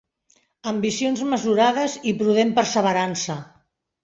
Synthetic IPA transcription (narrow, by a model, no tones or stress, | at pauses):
əmbisionzməzuɾað̞əzipɾuðempəɾsəβ̞əɾansə